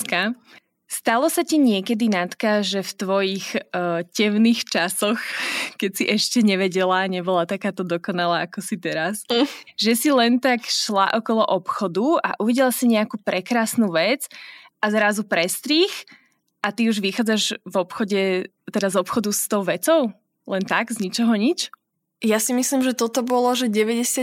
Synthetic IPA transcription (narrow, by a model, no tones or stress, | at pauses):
ka | st̪alɔsaciɲɪɛkɛd̪inat̪kaʒɛft̪ʋɔjixcɛʊnixt͡ʃasɔxkɛcsiʔɛʃcɛɲɛʋɛɟɛlaːɲɛbɔlat̪akaːt̪ɔd̪ɔkɔnalaːakɔsit̪ɛɾasʒɛsilɛnt̪akʃlaʔɔkɔlɔʔɔpxɔd̪ua̰ʔuʋiɟɛlasiɲɛakuːpɾɛkɾaːsnuːʋɛd͡zʔazɾazupɾɛst̪ɾiːx | ʔat̪iuʒʋixaːd͡zaʒvɔpxɔɟɛ | t̪ɛd̪azɔpxɔd̪ust̪ɔʊʋɛt͡sɔʊ | lɛnt̪aɡzɲit͡ʃɔɦɔɲit͡ʃ | jasimislimʒɛt̪ɔt̪ɔbɔlɔʒɛɟɛʋɛɟɛsɪa